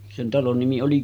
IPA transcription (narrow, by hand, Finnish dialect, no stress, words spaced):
sen tɑlon nimi oli